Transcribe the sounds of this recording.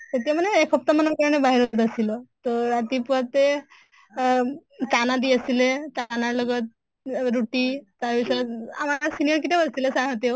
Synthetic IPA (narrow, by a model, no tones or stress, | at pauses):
t̪et̪emuneːkʰəp̚t̪amənəkəɾɳebaɦiɾot̪əsilɔt̪ɔɾat̪ipəɾt̪e | t͡sanad̪iəsilet͡sanaɾləɡət̪̚ | ɾuʈit̪aʋisəa̰maasinijəɾk̬it̪ebəst̪ilesãŋət̪ew